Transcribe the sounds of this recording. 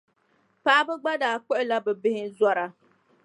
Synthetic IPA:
paː˦bɛ˦ɡ͡ba˦daː˨k͡pɛ˦ʔɪ˦la˦bɛ˨bɪ˦hɪ˦za˦ɾa˨

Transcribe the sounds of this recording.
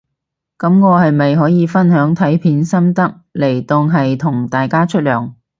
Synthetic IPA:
kɐ˨˥mŋɔː˨˧hɐ˨jmɐ˨jɦɔː˨˥jiː˨˧fɐ˥nhœː˨˥ŋt̪ʰɐ˨˥jpʰiː˨˥nsɐ˥mt̪ɐ˥k̚le˨˩jt̪ɔː˨ŋɦɐ˨jt̪ʰʊ˨˩ŋt̪aː˨jkaː˥t͡ʃʰɵ˥t̚lœː˨ŋ

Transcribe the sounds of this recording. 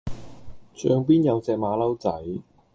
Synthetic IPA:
t͡ʃœː˧ŋpiː˥njɐ˨˧wt͡sɛː˨˧k̚maː˨˧lɐ˥wt͡sɐ˨˥j

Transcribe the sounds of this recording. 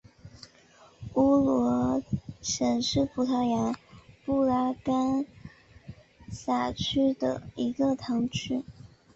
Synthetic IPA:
u˥lwɔ˧˥ | ʂə˨˩nʂɻ̩˥˩pʰu˨˩t̪ʰɑ˥˩ʊja˧˥npu˥˩la˥ka˥n | sa˨˩t͡ɕʰy˥d̪ə̰˨i˧˥ɡə˧˨t̪ʰɑ˧˥ŋt͡ɕʰy˥

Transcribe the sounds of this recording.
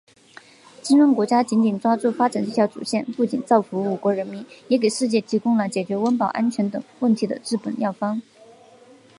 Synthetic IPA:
t͡ɕi˥nɻə˥nkwɔ˧˥t͡ɕja˥t͡ɕi˧˥nt͡ɕi˨˩nt͡swa˥t͡su˥˩fa˥ʈ͡ʂa˨˩ni˥˧˩ɕjɑ˥˩t͡sṵ˨˩ɕjɛ˥˧npu˥˩t͡ɕḭ˨˩nt͡sɑ˥˩ʊfu˧˥u˨˩kwɔ˧˥ɻə˧˥nmi˧˥njɛ˧˥k̬e˨˩ɪʂɻ̩˥˧t͡ɕjɛ˥˩t̪ʰi˧˥kʊ˥ŋlə˨t͡ɕjɛ˨˩t͡ɕɥɛ˧˥wə˥npɑ˨˩ʊʔa̰˥nt͡ɕʰɥɛ˧˥nt̪ɤ̰˨˩˦ŋwə˥˩nt̪ʰi˧˥d̪ə̰˧ʈ͡ʂɻ̩˥˩pə̰˨˩nljɑ˥˩ʊfɑ˥ŋ

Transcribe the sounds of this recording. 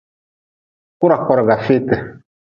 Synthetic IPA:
kʊ˦ɾa˨kɔ˨ɾɡa˨fe˦t̪ɨ˨

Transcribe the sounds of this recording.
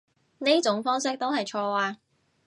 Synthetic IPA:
ne˥t͡sʊ˨˥ŋfɔː˥ŋsɪ˥k̚t̪o˥whɐ˨jt͡ʃʰɔː˧waː˧

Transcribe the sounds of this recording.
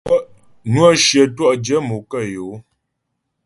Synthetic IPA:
ɔ˦˨ʔ | nwə˦ʃjə˨twɔ˦ʔd͡ʒə˦mu˨kə˦˨jo˨˦

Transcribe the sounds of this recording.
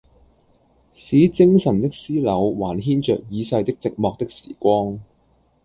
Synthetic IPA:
siː˨˥t͡sɪ˥ŋsɐ˨˩nt̪ɪ˥k̚siː˥lɐ˨˧wwaː˨˩nɦiː˥nt͡ʃœː˨k̚jiː˨˥sɐ˧jt̪ɪ˥k̚t͡sɪ˨k̚mɔː˨k̚t̪ɪ˥k̚sḭː˨˩kʷɔː˥ŋ

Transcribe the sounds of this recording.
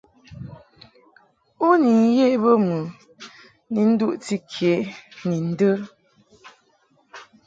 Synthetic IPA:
u˦ni˨˦je˦ʔbə˦mə˨ | ni˨n̩˦du˦ʔti˦kʰje˨˦ʔni˨n̩˦də˦ɾ

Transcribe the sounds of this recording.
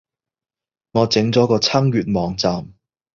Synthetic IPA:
ŋɔː˨˧t͡sɪ˨˥ŋt͡sɔː˨˥kɔː˧t͡sʰɐ˥ŋɥyː˨t̚mɔː˨˧ŋt͡saː˨m

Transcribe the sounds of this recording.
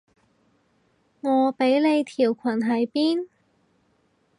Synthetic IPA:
ŋɔː˨˧pe˨˥jle˨˧jt̪ʰiː˨˩wkʷʰwɐ˨˩nɦɐ˨˩jpiː˥n

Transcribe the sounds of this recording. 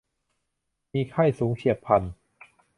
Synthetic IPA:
miː˧kʰa˥˩jsuː˩˦ŋt͡ɕʰi˨˩əpʰːa˧n

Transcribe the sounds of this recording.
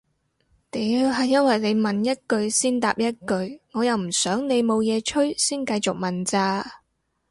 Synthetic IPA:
t̪e˨˩ji˧wɦɐ˨˩jːɐ˥nwɐ˨jne˨˧jmɐ˨njɐ˥t̚kɵ˧ɥsiː˥nt̪a̰ː˨p̚jɐ˥t̚kɵ˧ɥŋɔː˨˧jɐ˨wm̩˨˩sœː˨˥ŋne˨˧jmo˨˧wjɛː˨˧t͡ʃʰɵ˥ɥsiː˥nkɐ˧jt͡sʊ˨k̚mɐ˨nt͡saː˧

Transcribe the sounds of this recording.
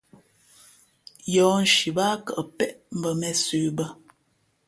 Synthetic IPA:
jɔː˨˦n̩˨ʃi˨ba˦kə˨ʔə˨pɛ˦ʔm̩˦bə˨mɛ˦sʉː˨˦bə˦

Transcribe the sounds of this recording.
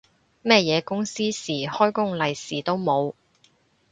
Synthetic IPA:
mɛː˥jɛː˨˧kʊ˥ŋsiː˥siː˨˩hɔː˥jkʊ˥ŋlɐ˨jsiː˨˩t̪o˥wmo˨˧w

